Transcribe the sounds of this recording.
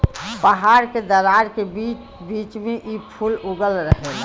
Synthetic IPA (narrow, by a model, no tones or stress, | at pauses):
pəɦaɾked̪əɾaɾkebiːt͡ʃ | biːt͡ʃmẽʔipʰulʊɡəlɾəɦeɡa